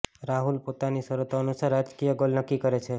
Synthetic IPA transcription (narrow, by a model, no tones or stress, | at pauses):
ɾaɦulpot̪anisəɾot̪oənusaɾad͡ʒkijəɡolnəkːikəɾet͡ʃʰe